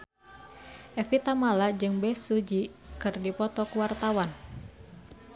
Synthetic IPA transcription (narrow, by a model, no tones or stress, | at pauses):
ʔɛfit̪amalad͡ʒɨŋbɛsud͡ʒikɨrdipɔt̪ɔkuwart̪awan